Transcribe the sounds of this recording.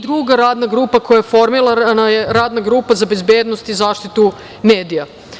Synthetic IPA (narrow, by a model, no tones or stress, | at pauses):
d̪ɾuɡaɾaːd̪naɡɾuːpako̞jajefo̞ɾmilˠanajeɾaːd̪naɡɾuːpazabe̞zbe̞ːd̪no̞st̪izaːʃt̪it̪u | me̞ːd̪ija